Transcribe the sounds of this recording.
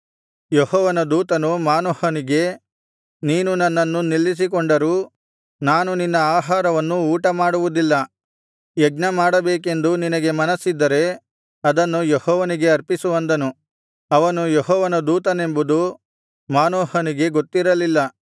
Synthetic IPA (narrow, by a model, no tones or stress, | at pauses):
jehɔːʋɐnɐd̪uːt̪ɐnumaːnoːhɐniɡe̞ | niːnunɐnːɐnːunilːis̬ikoɳɖɐɾuː | naːnuninːɐaːɦaːɾɐʋɐnːuːʈɐmaːɽuʋud̪ilːɐ | jɐɡnɐmaːɽɐbeːke̞nd̪uninɐɡe̞mɐnɐsːid̪ːɐɾe̞ | ɐd̪ɐnːujehɔːʋɐniɡe̞ɐɾpisuʋɐnd̪ɐnu | ɐʋɐnujeɦɔːʋɐnɐd̪uːt̪ɐne̞mbud̪u | maːnoːɦɐniɡe̞ɡot̪ːiɾɐlilːɐ